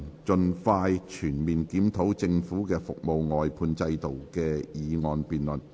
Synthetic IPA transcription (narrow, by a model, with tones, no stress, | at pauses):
t͡ʃɵ˧nfaː˧jt͡ʃʰyː˨˩nmiː˨˩nkiː˨˥mt̪ʰo˨˥wt͡sɪ˧ŋfuː˨˥kɛː˧fʊ˨k̚mo˨wŋɔː˨jpʰuː˧nt͡sɐ˧jt̪o˨wkɛː˧jiː˨˧ŋɔː˧npiː˨nlɵ˨n